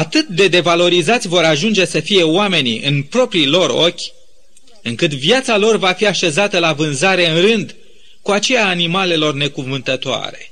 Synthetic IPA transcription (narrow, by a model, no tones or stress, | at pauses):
at̪ɨt̪̚d̪e̞d̪e̞valo̞ɾizat̪sʲvo̞ɾaʒund͡ʒe̞səfije̞oame̞nḭʔɨ̰npɾo̞pɾilo̞ɾo̞kʲ | ɨŋkɨt̪vjat̪salo̞rvafiaʃe̞zat̪əlavɨnzaɾe̞ɨnrɨnd̪ | kuat͡ʃe̞jaːnimale̞lo̞rne̞kuvɨnt̪ət̪oa̰ɾe̞